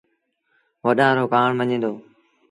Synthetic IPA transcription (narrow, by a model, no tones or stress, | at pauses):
ʋəɗãːɾoːkaːɳʋəɲẽːd̪oː